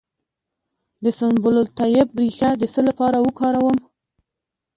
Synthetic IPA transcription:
d̪əsanbʊlʊlt̪ɑjɪb̚ːɾixad̪əsəlapɑɾawəkɑɾawəm

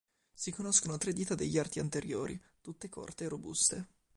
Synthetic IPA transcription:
sikonoskonot̪ɾed̪iːt̪ad̪eʎːart̪iant̪eɾjoːɾḭ | t̪ut̪ːekʰo̰rt̪eːrobṵst̪e

